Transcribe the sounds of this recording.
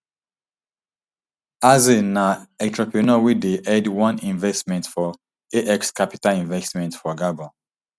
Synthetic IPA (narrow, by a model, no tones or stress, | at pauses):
azenaɛtɹɔpiunowideʔɛdwɔ̃nĩnvɛstmɛ̃ntfɔ | eʔɛkskapi̥talĩnvɛstmɛ̃ntfɔɡabɔ